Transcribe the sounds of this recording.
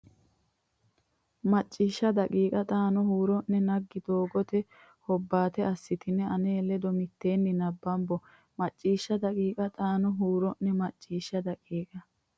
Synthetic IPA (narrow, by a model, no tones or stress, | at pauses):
mɐt͡ʃʼːiːʃːɐd̪ɐkʼiːkʼɐt̪ʼaːnɔhuːɾɔnːɛnɐɡːɪd̪oːɡɔt̪ɛ | hɔbːaːt̪ɛɐsːɪt̪ɪnːɛɐneːlɛd̪ɔmɪt̪ːe̞ːnːɪnɐbːɐmbɔ | mɐt͡ʃʼːiːʃːɐd̪ɐkʼiːkʼɐt̪ʼaːnɔɦuːɾɔnːɛmɐt͡ʃʼːiːʃːɐd̪ɐkʼiːkʼɐ